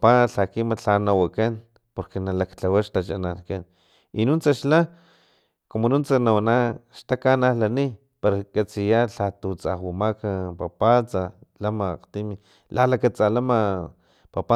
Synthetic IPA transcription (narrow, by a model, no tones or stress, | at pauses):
paɬakimat͡ɬanawakan | poɾkenalakt͡ɬawaʃt̪at͡ʃa̰nankan | inunt͡saʃla | komonunt͡sanawanaʃt̪akanahlani | paɾakat͡sijaɬat̪ut͡sa̰hwamakapapat͡salamaːqt̪imi | lalakat͡salama | papa